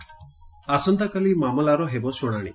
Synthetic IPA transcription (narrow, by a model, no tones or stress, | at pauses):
asɔnt̪akalimamɔlaɾɔɦebɔsuɽ̃aɽ̃ḭ